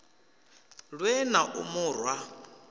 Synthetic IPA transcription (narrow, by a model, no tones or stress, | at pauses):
ɺwɛnaʔṵmʊːrwa